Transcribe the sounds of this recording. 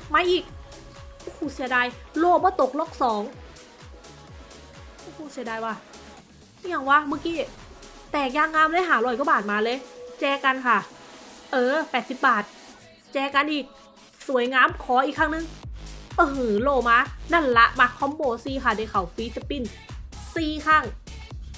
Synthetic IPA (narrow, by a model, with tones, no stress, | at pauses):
maː˧˥ʔiː˨˩k̚ | ʔo˧hoː˧˩si˨˦daː˧˨jloː˧˩˨bɔː˧˦t̪o˨˩k̚lɔː˧˥˩k̚sɔː˨˦ŋ | ʔoː˧˩hoː˧˩si˨˩˦daː˨˩jwaː˧˩˧ | ɲa˧˩ŋwaː˧˨ma˧˩kiː˧˩ | t̪ɛː˨˩k̚jaː˧˩ŋːaː˧˥˨mlɤː˧˥˦ɦaː˨˩˦lɔː˧˩jkbaː˨˩t̪̚maː˨˧˦lɤː˧˥˨t͡ɕɛː˧ka˧nkʰa˧˩ʔɤː˧pɛː˨˩t̪̚si˧˦p̚baː˨˩t̪̚ | t͡ɕɛː˧ka˧nʔiː˨˩k̚ | su˨˩˦əjŋaː˧˥˨mkʰɔː˨˦ʔiː˨˩kʰːa˧˥˩ŋnɯ˧˨ŋʔoː˧hɯ˨˩loː˧˩maː˧˥na˧˥˨nla˧˥ʔma˧˩kʰːɔ˧˥˦mboː˧˩siː˧˩kʰa˧˩da˧˩kʰa˨˩wfiː˧˦˥t͡ɕa˧˩pi˧˩n | siː˧kʰaː˧˩˨ŋ